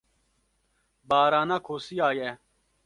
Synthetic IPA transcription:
baːɾaːnaːkʰoːsiːaːjɛː

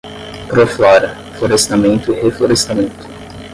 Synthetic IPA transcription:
pɾoflɔɾɐ | floɾest̪amẽnt̪ʊihefloɾest̪amẽnt̪ʊ̥

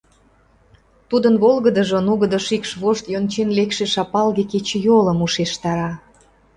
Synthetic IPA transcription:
t̪ud̪ənβolɣəd̪əʒŏnuɣəd̪əʃikʃβoʃt̪jont͡ɕenlekʃeʃɑpɑlɣeket͡ɕejolə̆muʃeʃt̪ɑɾɑ

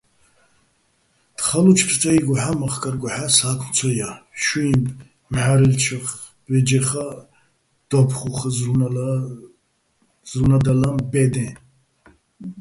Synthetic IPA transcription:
d̪̥χalut͡ʃʰpʰt͡sʼaiɡʷaħamaχkʼaɾɡʷaħasaːkʰmt͡sʰɔjaʃuimʼ | mħaɾɛlt͡ʃʰɨχ | bɛd͡ʒɛχa | d̪̥ɔpʰχuχz | zlunad̪alambɛd̪ɛ

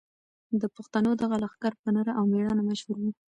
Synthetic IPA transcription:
d̪əpoxt̪anod̪aɣalaxkaɾpənəɾaʔawmeɽɑnamaʃhuɾwi

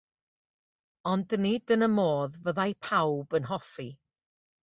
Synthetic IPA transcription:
ɔndənidənəmoːðvəðajpʰawbənɦɔfi

